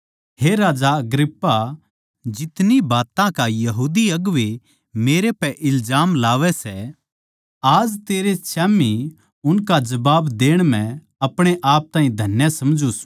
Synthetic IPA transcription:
ɦeɾaːd͡ʒaɐɡɾɪpːa | d͡ʒɪt̪nibaːt̪ãkajɐɦuːd̪iɐɡʋe | meːɾepɛʔɪlzaːmlaːʋɛsɛ | aːd͡ʒt̪eːɾet͡ʃɛːmi | ʊnkad͡ʒɐbaːbd̪eːɽ̃mɛ̃ | ɐpɽ̃eʔaːp̚t̪ãːĩd̪ʱɐnjasɐmd͡ʒus

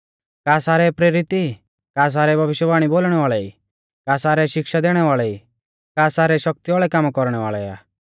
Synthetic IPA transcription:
kaːsaːɾɛpɾeːɾɪt̪i | kaːs̬aːɾɛbʱɐʋɪʃjəbaːɽ̃iboːlɽ̃ɛʋaːɭɛi | kaːsaːɾɛʃɪkʃad̪eːɽ̃ɛʋaːɭɛi | kaːsaːɾɛʃɔk̚t̪iʋaːɭɛkamkɔɾɽ̃ɛʋaːɭɛa̰ː

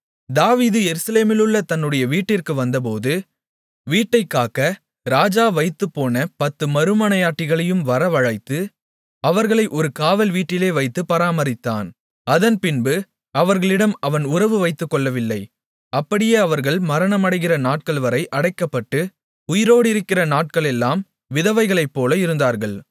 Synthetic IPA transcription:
d̪aːʋiːðɯjɛɾɯsɐleːmɪlɯɭːɐt̪ɐnːɯɽɐjɐʋiːʈːɪrkɯʋɐnd̪ɐp̬oːðɯ | ʋiːʈːɐɪkːaːkɐ | ɾaːd͡ʒaːʋɐɪt̪ːɯpːoːnɐpɐt̪ːɯmɐɾɯmɐnɐjaːʈːɪɣɐɭɐjɯmʋɐɾɐʋɐɻɐɪt̪ːɯ | ɐʋɐɾɣɐɭɐɪʔɔɾɯkaːʋɐlʋiːʈːɪleːʋɐɪt̪ːɯpɐɾaːmɐɾɪt̪ːaːn | ɐðɐnpɪnbɯ | ɐʋɐɾɣɐɭɪɽɐmɐʋɐnʊrɐʋɯʋɐɪt̪ːɯkːɔɭːɐʋɪlːɐɪ | ɐpːɐɽɪjeːɐʋɐɾɣɐɭmɐɾɐnɐmɐɽɐɪɣɪrɐnaːʈ̚kɐɭʋɐɾɐɪʔɐɽɐɪkːɐpːɐʈːɯ | ʊjɪɾoːɽɪɾɯkːɪrɐnaːʈ̚kɐɭɛlːaːm | ʋɪðɐʋɐɪɣɐɭɐɪpːoːlɐɪɾɯnd̪aːɾɣɐɭ

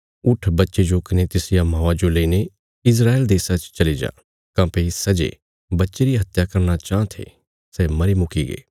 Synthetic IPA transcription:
ʊʈʰbɐtːʃed͡ʒokɪnet̪ɪsɪjamãːad͡ʒoleːine | ɪs̬ɾaːeld̪eːsat͡ʃt͡ʃɐlid͡ʒa̰ː | kãːpesɐd͡ʒḛ | bɐtːʃeɾiɦɐt̪jakɐɾnat͡ʃãːt̪ʰḛː | sɛːmɐɾemʊkiːɡḛː

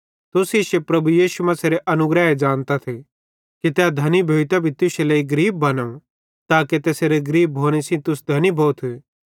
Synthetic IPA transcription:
t̪ʊsiʃepɾɐbujiːʃumɐ̃seːɾeʔɐnʊɡɾɛed͡ʒãːnt̪at̪ʰe | kit̪ɛad̪ʱɐnibʱoːit̪abʱit̪ʊselɐiɡɾiːb̚ːɐnəũ | t̪aːket̪eːseɾeɡɾiːb̚ːʱoːɽ̃esĩt̪ʊs̬d̪ʱɐnibʱoːt̪ʰː

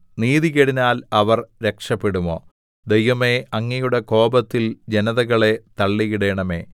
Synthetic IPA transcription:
niːðiɣeɽinaːlɐʋɐrɾe̞kʂɐpːeɽumo̞̰ː | d̪ejʋɐme̞ɐŋːɐjuɽe̞ko̞ːbɐt̪ːild͡ʑe̞nɐðɐɣɐɭe̞t̪ɐɭːiɣiɽeɳɐme̞̰ː

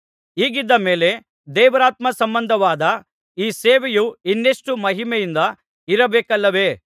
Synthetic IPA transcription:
iːɡid̪ːɐme̞ːle̞ | d̪ɛːʋɐɾaːt̪mɐsɐmbɐnd̪ʱɐʋaːd̪ɐ | iːseːʋejuinːeʂʈumɐɦimɛjind̪ɐ | iɾɐbeːkɐlːɐʋe̞

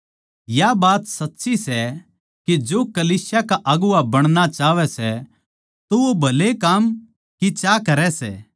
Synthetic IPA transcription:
jabaːt̪sɐtːʃisɛ | kid͡ʒoːkɐliːsjakaʔɐɡʊabɐɽ̃nat͡ʃaːʋɛsɛ | t̪oobʱɐlekaːm | kit͡ʃakɐɾɛsɛ̰ː

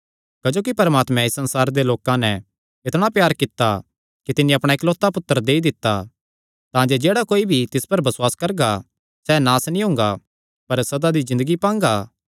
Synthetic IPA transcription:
kɐd͡ʒoːkipɐɾmaːt̪mɛ̃ɪsːɐ̃nsaːɾd̪eloːkãnɛ̃ | ɪt̪ɽ̃apjaːɾkɪt̪ːa | kit̪ɪnĩɐpɽ̃aekloːt̪ːapʊt̪ːəɾd̪eːid̪ɪt̪ːa | t̪ãːd͡ʒed͡ʒeːɽakoːibʱit̪ɪspɐɾbɐswaːskɐɾɡa | sɛnaːsnĩɦʊ̃ːŋɡa | pɐɾsɐd̪ad̪izɪ̃nd̪əɡipãːŋɡaː

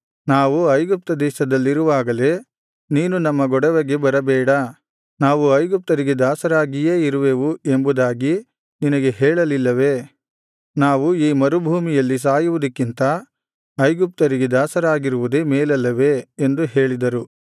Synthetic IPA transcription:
naːʋuɐjɡup̚t̪ɐd̪ɛːʃɐd̪ɐlːiɾuʋaːɡɐle | niːnunɐmːɐɡɔɽɐʋɐɡebɐɾɐbɛːɽɐ | naːʋuɐjɡup̚t̪ɐɾiɡe̞d̪aːsɐɾaːɡije̞ːiɾuʋe̞ːʋue̞mbud̪aːɡi | ninɐɡe̞ɦɛːɭɐlilːɐʋe̞ | naːʋuiːmɐɾubʱuːmijɐlːis̬aːjuʋud̪ɐkːint̪ɐ | ɐjɡup̚t̪ɐɾiɡe̞d̪aːsɐɾaːɡiɾuʋud̪emeːlɐlːɐʋe̞ːnd̪uɦeːɭid̪ɐɾu

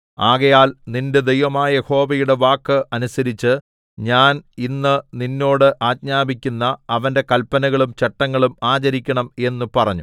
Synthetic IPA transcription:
aːɣɐjaːlninded̪ejʋɐmaːjɐeho̞ːbɐjuɽe̞ʋaːkːɨʔɐnusɐɾit͡ɕːɨ | ɲaːninːɨninːo̞ːɽɨʔaːt̚ɲaːbikʲːunːɐːʋɐnde̞kɐlpːɐnɐɣɐɭumt͡ɕeʈːɐŋːɐɭumaːt͡ɕɐɾikʲːɐɳɐme̞nːupɐrɐɲːu

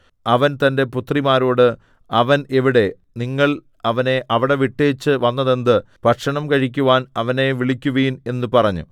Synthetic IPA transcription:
ɐʋɐnt̪ɐnde̞put̪rimaːɾo̞ːɽɨ | ɐʋɐne̞ʋiɽe̞ | niŋːɐɭ | ɐʋɐne̞ʔɐʋiɽe̞ʋiʈːeːt͡ɕːɨʋɐnːɐðe̞nd̪ɨ | pɐʈʂɐɳɐmkɐɻik̬ʲːuʋaːnɐʋɐne̞ʋiɭikʲːuʋɐjune̞nːɨpɐrɐɲːṵ

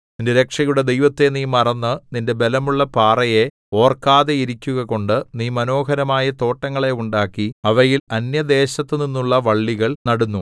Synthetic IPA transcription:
nindeɾekʂɐjuɽe̞d̪e̞jʋɐt̪ːe̞niːmɐrɐnːɨninde̞be̞lɐmuɭːɐpaːrɐje̞ | o̞ːrkaːðeiɾikʲːuɣɐko̞ɳɖɨniːmɐno̞ːɦɐɾɐmaːjɐt̪o̞ːʈːɐŋːɐɭe̞uɳɖaːkːiɐʋɐjilɐnjɐd̪e̞ːɕɐt̪ːɨninːuɭːɐʋɐɭːiɣɐɭnɐɽunːu

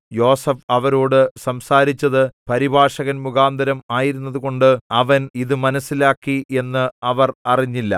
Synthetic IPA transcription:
jo̞ːsɐfɐʋɐɾoːɽɨsɐmsaːɾit͡ɕːɐðɨpɐɾibʱaːʂɐɣɐnmuɣaːnd̪ʱɐɾɐmaːjiɾun̪ːɐðuɣo̞ɳɖɨɐʋɐniðɨmɐnɐsːilaːkːie̞nːɨɐʋɐrɐriɲːilːɐ̰

